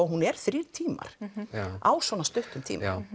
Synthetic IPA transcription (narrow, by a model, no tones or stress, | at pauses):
ɔɣɦunɛɾ̥θɾɪɾt̪ʰiːma̰ɾ̥aːwsvɔːnast̪ʏht̪ʏmt̪ʰḭːm